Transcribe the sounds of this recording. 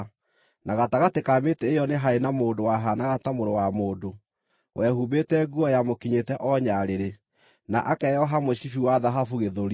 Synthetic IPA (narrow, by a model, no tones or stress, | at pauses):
naɣataɣatekametɛːjɔneɦaenamoːdowaɦanaɣatamoɾowamoːdo | wʔɛhuβetɛɡuɔjamokiɲetɛʔɔɲaɾeɾe | naʔakɛjɔɦamoɕifiwaðaɦafuɣeðoɾ